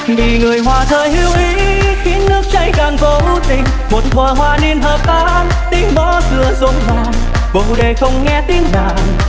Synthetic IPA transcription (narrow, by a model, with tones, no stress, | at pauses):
vi˨˩ŋɨ˨˩əjɦwaː˨˩t̪ʰəː˨˩jhi˧əwʔi˨˦ | xi˨˦ənːɨ˦˥ək̚t͡ɕa˧˩jkaː˨˩nvo˧vu˧˦t̪i˧˩ŋ̟ | mo˨˩t̚vəː˨˩ɦwaː˧ni˧ənɦəː˨˩p̚k̪aː˧ʔn | t̪ï˧əŋɓɔ˧˦zɨ˧˩əzo˨˦nvaː˧˩ | ɓo˧˨˩ɗe˨˩xə˧wŋ͡mŋɛ˧t̪i˧˦əŋzaː˨˩